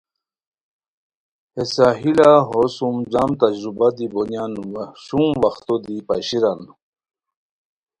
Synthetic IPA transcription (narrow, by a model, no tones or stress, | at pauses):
esaɦilaɦosumd͡ʑamt̪ad͡ʑɾubad̪ibonjanwʂumwaxt̪od̪ipaɕiɾan